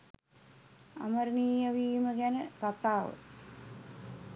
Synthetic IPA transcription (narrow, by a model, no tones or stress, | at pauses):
a̰məɾniːjaʋiːməɡænəkat̪aːʋə̰